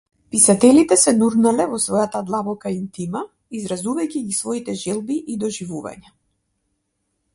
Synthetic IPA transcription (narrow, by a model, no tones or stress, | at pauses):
pisat̪ɛlit̪ɛsɛnuɾnalɛvɔsvɔjat̪ad̪lˠabɔkaint̪ima | izɾazuvajcʲiɡisvɔit̪ɛʒɛlˠbiʔid̪ɔʒivuva̰ɲa